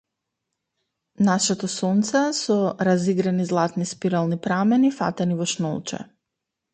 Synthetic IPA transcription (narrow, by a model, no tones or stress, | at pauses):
naʃɛt̪ɔsɔnt̪sɛsɔɾaziɡɾanizlˠat̪nispiɾalˠnipɾamɛnifa̰t̪ɛnivɔʃnɔ̰lˠt͡ʃɛ̰